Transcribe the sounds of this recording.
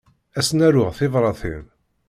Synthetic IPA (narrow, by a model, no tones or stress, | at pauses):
æsnæɾʊʁθɪvɾˤɑθḭn